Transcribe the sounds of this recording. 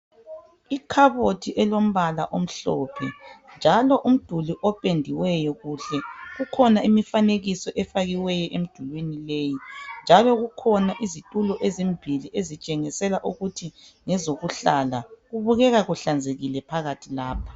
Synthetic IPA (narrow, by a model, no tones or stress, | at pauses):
ikʰaβotʰiʔɛlom̩βala̰ʔom̩ɬɔːpʰɛ̰nd͡ʒʱalɔʔum̩d̥ʱuliʔɔpʼendʱiwɛjɔɣuɬɛɣukʰɔnaimifaneɣisɔʔɛfaɣiwɛjɔʔem̩d̥ʱulwenileːjind͡ʒʱalɔɣukʰɔnaʔizitʼulɔʔezimbʱiliʔezit͡ʃʼɛŋisɛlaʔuɣutʰi | ŋɛzoɣuɬalaɣuβuɣɛɣaɣuɬand͡zʱeɣilɛpʰaɣatʰilaːpʰḁ